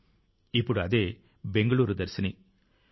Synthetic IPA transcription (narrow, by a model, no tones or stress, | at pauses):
ɪpːɔɽɯɐðeː | bɛŋɡɐɭuːɾɯd̪ɐɾsɐni